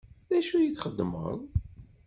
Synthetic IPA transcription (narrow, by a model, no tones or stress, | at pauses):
ðæʃujiθχəd̪ːmə̰ðˤ